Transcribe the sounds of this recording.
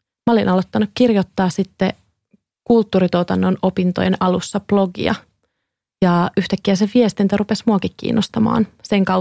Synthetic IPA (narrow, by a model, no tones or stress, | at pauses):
mæolinʔɑlot̪ːɑnukkirjot̪ːɑːsit̪ːe | kult̪ːuːɾit̪ot̪ɑnːonopint̪ojenɑlusːɑplo̞ɡḭɑ̰ | jɑyht̪ækːiæseʋiest̪int̪æɾupesmuɑkikkḭːnːost̪ɑmɑ̰ːnseŋkɑ